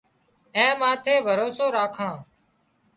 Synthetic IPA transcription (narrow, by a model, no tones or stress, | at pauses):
ẽːmãːt̪ʰeːbʱəɾoːsoːɾaːkʰãː